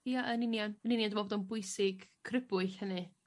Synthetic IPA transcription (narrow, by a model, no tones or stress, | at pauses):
iaʔənɪnjanənɪnjandmɔbɔːdɔnbʊɨsɪɡkʰrɪbʊɨɬhənɨ